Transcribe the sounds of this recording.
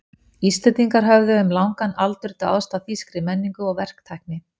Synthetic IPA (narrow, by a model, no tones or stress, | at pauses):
ist̪ɛt̪iŋkaɾ̥ɦœvðʏːmlawŋkanalt̪ʏɾt̪aaðst̪aθiskɾɪmɛnːiŋkʏɔɣvɛr̥kt̪ʰajk̚nɪ